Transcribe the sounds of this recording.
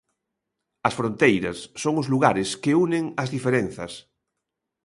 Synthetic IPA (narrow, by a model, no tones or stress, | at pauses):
ɐsfɾõnt̪ejɾɐsːoŋʊzluɣaɾɪskɪuneŋɐzðifeɾenθɐs